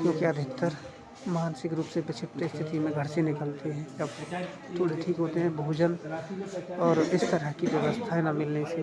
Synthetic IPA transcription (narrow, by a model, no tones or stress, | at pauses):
kjõːkiɐd̪ʱɪkt̪əɾ | mɐaːnəsɪkɾuːpsebɪt͡ʃʰɪp̪t̪est̪ʰɪt̪imẽɡʱəɽsenɪkəlt̪eɦɛ̃ːɐb | t̪ʰoːɽeʈʰiːkɦoːt̪eɦɛ̃bʱoːd͡ʒən | ɔːɾɪst̪əɾəɦkiʋjəʋəst̪ʰaɦnamɪlnese